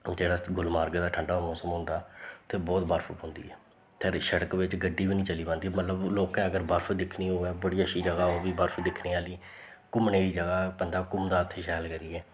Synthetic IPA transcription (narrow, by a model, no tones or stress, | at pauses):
d͡ʒeːɽaːɡʊlmaːɾɡd̪aːʈʰəɳɖaːmõːsəmʊ̃nd̪aːt̪eːbɔːt̪bəɾpʰəpɦʊ̃nd̪ḭːɛː | pʰɪɾʃəɽəkʋɪt͡ʃɡəɖːiːbiːnĩːt͡ʃəliːbãnd̪iːmət̪ləbloːkɛ̃ːəɡəɾbəɾpʰd̪ɪkʰniːɦoːɛːbəɽiːəʃiːd͡ʒəɡaːoːbiːbəɾpʰd̪ɪkʰniːaːliː | kʊmneːɾiːd͡ʒəɡaːpənd̪aːkʊmd̪aːət̪ʰːeːʃɛːlkəɾiːɛː